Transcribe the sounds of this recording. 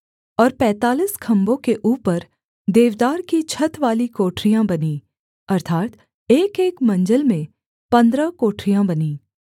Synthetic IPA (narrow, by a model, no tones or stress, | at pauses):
ɔːɾpɛ̃ːt̪aːliːskʰɐ̃mbõkeʔuːpəɾ | d̪eːʋd̪aːɾkit͡ʃʰɐt̪ʋaːlikoːʈɾijãbɐni | ɐɾt̪ʰaːt̪ | eːkeːkmɐ̃ɲd͡ʒəlmẽ | pɐ̃nd̪ɾəkoːʈʰɾijãbɐniː